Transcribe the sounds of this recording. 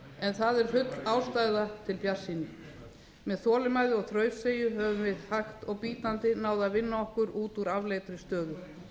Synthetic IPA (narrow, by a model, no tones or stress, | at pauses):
ɛnθaðɛɾ̥fʏt̪l̥aːwst̪ajðat̪ʰɪlpjaɾ̥sːiːnɪ | mɛðθɔːlɪmaːjðɪɔɣθɾœːɥfseːjʏɦɛvʏmvɪðhaht̪ɔɣpiːt̪ant̪ɪnaːwðavɪnːaɔhkʏɾuːt̪uɾavlejt̪ɾɪst̪œːðʏ